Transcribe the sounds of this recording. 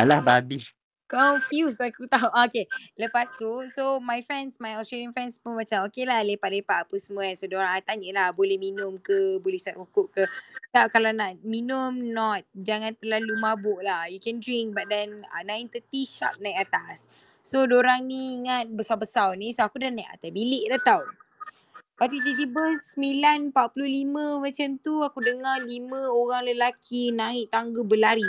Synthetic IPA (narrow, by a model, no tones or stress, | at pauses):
alahbabis | kɔnfjusakut̪auʔokeləpasusomajfɾɛnsmajɔstɾelianfɛnspunmat͡ʃamokelahlepaʔ̚lepaʔapəsəmuasodoɾaŋat̪aɲəlahbolɛhminʊmkəbolɛhsatukʊʔkəstap̚kalawnaʔminʊmnɔt̪̚d͡ʒaŋãnt̪ərlalumabʊʔlahjukɛ̃ndɾiŋk̚bat̪̚dɛna̰naint̪ət̪iʃa̰p̚najkat̪asː | odoɾaŋniːŋat̪̚bəsawbəsawnĩsoakudanajʔa̰t̪asbilɪʔdat̪aw | pat̪it̪̬it̪ibəsəmilanpaʔpululimə̃mãt͡ʃamt̪uakudəŋarlimə̃oɣaŋləlakʰinãɪʔt̪aŋɡəbəlaɾi